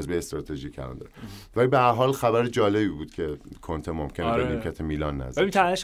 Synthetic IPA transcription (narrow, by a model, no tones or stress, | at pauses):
zbejest̪ɾɒːt̪ʰeʒiːcæ̰lɒ̰nd̪ɒ̰ɾvælibeæɾɦɒːlxæbæɾed͡ʒɒːle̞biːbuːd̪̥cʰe̞kʰont̪ʰemomcʰenekelikʰæt̪ʰemiːlɒːnːæ̰zæit̪ʰæeʃ